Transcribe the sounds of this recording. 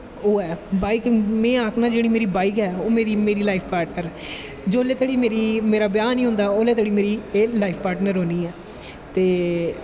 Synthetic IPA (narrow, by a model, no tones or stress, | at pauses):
oːɛːbaːɪkmɛ̃ːaːkʰnãːd͡ʒeːɽ̃iːmeːɾiːbaːɪkɛːoːmeːɾiːmeːɾiːlaːɪpʰpaːɾʈnəɾ | d͡ʒoːleːt̪əɽiːmeːɾiːmeːɾaːbjaːnĩːɦʊ̃nd̪aːoːlɛ̃ːt̪əɽiːmeːɾiːlaːipʰpaːɾʈnəɾɦõːniːɛː | t̪eː